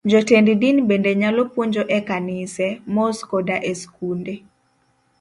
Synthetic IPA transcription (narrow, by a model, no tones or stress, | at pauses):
d͡ʒɔtendidinbendeɲalɔpwoɲd͡ʒoʔɛkanɪsɛmɔskɔdaʔeskunde